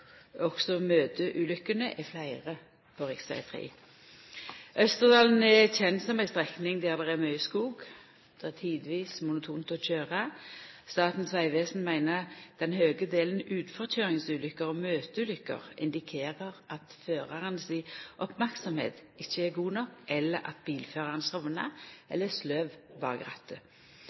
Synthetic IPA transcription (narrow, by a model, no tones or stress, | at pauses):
ɔksɔmøːt̪ʰəʔʉːlʏkːənəʔɛflæɪʁə | pʰoːʁɪksæ̰ɪt̪ʰʁḭː | œst̪əʁd̪ɑːln̩ɛɛçɛnt̪sɔmæɪst̪ʁɛknɪŋd̪æːʁd̪ɛʁɛmœʏskuːɡ | d̪̥ɛʁɛʁt̪ʰiːd̪ʋiːsmʊnʊt̪ʰuːnt̪ɔc͡çøːʁɑst̪ɑːt̪n̩sʋæɪʋeːsn̩mæɪnəd̪̥ɛnhøːɡəd̪eːln̩ʉːd̪fɔʁc͡çøːʁɪŋsʉːlʏkəʁɔːmøːt̪əʉːlʏkːə̰ʁɪ̰nd̪ɪkʰeːʁəʁʔɑt̪føːʁɑʁənsɪʔɔpmæʁksɔmhḛːt̪ɪçːəɛɡuːnɔkɛlːəɾɑ̰t̪̚biːlføːʁɑʁənsɑʋnɑʔɛ̰lːəslœʋʋɑ̰ːʁəɡʁɑt̪ːə